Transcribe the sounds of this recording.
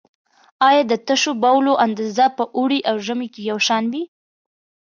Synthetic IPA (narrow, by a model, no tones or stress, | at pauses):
ɑjɑd̪ət̪əʃobawloʔand̪azapəʔuɽiʔawʒəmekejawʃɑnwi